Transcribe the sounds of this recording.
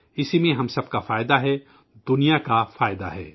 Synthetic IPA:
ɪsimẽɦɐmsɐb̚kafaːɪd̪aɦɛː | d̪ʊnijakafaːɪd̪a̰ɦɛ̰ː

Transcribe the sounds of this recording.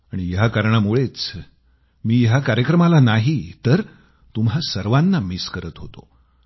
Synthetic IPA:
aɽ̃ijɦakaɾɳamuɭet͡s | miːɦjakaɾjəkɾəmalanaɦit̪əɾ | t̪umɦasəɾʋanːamiskəɾət̪ɦot̪o̰

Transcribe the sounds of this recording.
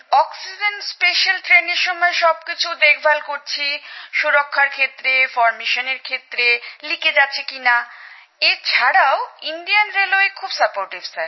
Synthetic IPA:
ɔksid͡ʑenʈspeʃalʈɾeneɾʃɔmɔeʃɔbkit͡ɕʰud̪ek̚ʰbʱalkoɾt͡ɕʰiʃuɾokʰːaɾkʰet̪ːɾefɔɾmeʃoneɾkʰet̪ːɾeliked͡ʑatːɕʰekina | et͡ɕʰaɽaoinɖijanɾeloekʰubsapoɾʈibsaɾ

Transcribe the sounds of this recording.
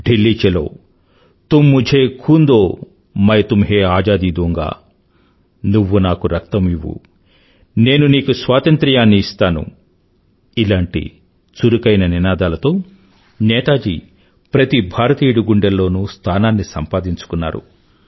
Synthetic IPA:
ɖilːiːt͡ʃɛlo̰ː | t̪umːud͡ʒʱeːkʰuːnd̪oː | mɐjɐt̪umɦeːaːd͡ʒaːd̪id̪oŋɡa̰ː | nuʋːunaːkuɾɐkt̪ɐmiʋːṵ | ne̞ːnuniːkusʋaːt̪ɐnt̪ɾɐjaːnːiːst̪aːnṵ | ilaːɳʈḭ | t͡ʃuɾukɐjnɐninaːd̪aːlɐt̪o̞ː | nɛːt̪aːd͡ʒḭ | pɾɐt̪ibʱaːɾɐt̪iːɽuɡuɳɖɐlːo̞ːnuːst̪ʰaːnaːnːisɐmpaːd̪iɲt͡ʃu̥kunːa̰ːɾṵ

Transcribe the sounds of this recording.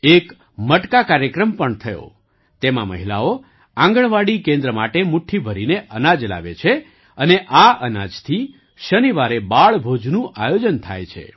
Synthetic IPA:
ek | məʈkakaɾjəkɾəmpəɳt̪ʰəjo̰ | t̪emã̰mə̰ɦila̰o | ãŋɡəɳʋaɽikẽnd̪ɾəmaʈemuʈʰːibʱəɾineʔənad͡ʒla̰ʋet͡ʃʰe | əneʔaʔənad͡ʒt̪ʰi | ʃəniʋaɾebaɭbʱod͡ʒnũʔajod͡ʒənt̪ʰa̰jt͡ʃʰḛ

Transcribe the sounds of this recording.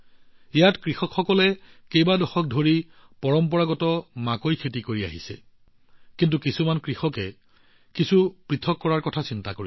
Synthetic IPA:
ijatkɹixɔkxɔkɔlɛkejbadɔxɔk̚dʱoɹi | pɔɹɔmpɔɹaɡɔtɔmakojkʰetikoɹia̰ɦisɛ | kint̬ukisumankɹixɔkɛ | kisupɹitʰɔkːɔɹaɹkɔtʰasintakoɹi

